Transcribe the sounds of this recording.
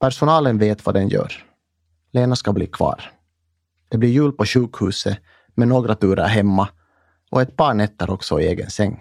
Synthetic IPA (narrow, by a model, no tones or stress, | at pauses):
pʰæɾʂʊnɑːlənveːt̪va̰d̪ɛnjœ̰ːɾ | leːnaskablḭːkʰvɑ̰ːɾ | d̪̥ɛblɪɾjʉːl̚pɔɕʉːkhʉːsə | mɛnoːɡɾat̪ʰʉːɾʔa̰ɾɦɛmːa | ʔɔɛt̪̚pʰɑːɳɛt̪ːəɾʔɔksɔɪeːɡə̰nsɛŋː